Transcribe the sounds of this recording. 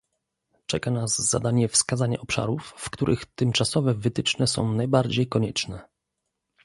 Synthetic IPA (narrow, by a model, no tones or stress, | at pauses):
t͡ʂɛkanazza̰d̪aɲɛfskazaɲa̰ʔɔpʂa̰ɾufːkt̪uɾʔɘ̰xt̪ɘmt͡ʂasɔvɛvɘt̪ɘt͡ʂnɛsɔ̰̃w̃najbaɾd͡ʑejkɔɲɛt͡ʂnɛ